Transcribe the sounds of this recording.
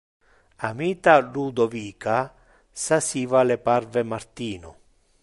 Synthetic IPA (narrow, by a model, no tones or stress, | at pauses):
amiːt̪alud̪ɔviːka | sasiːvalɛparvɛmart̪iːnʊ̰